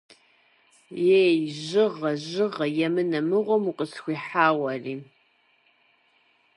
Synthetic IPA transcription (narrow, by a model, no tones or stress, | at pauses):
jejʑɪʁɐʑɨʁɐjɛmɨnɐmɨʁʷɔmuqʼəsxʷiːħaːwɐriː